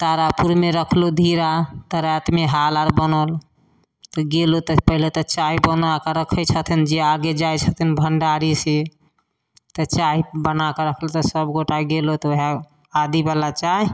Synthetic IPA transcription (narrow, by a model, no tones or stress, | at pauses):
t̪aɾapuɾmeɾəkʰlod̪ʱiɾat̪əɾɛt̪meɦalaɾbənɔl | t̪ɔɡelot̪ɔpəɦilet̪ɔt͡ʃaɦibənakəɾəkʰət͡ʃʰət̪ʰind͡ʒeaɡed͡ʒajt͡ʃʰət̪ʰinbʱəɳɖaɾise | t̪ət͡ʃaɦibənakəɾəkʰlot̪ɔsəbɡoʈaɡelot̪ɔoɦa | ad̪ibalat͡ʃaɦi